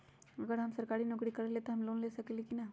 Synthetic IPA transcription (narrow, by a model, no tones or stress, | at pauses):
ɐɡəɾɦɐmsɐɾkaːɾinokɾikɐɾleːt̪eɦɐmloːnleːsɐkelekinɐ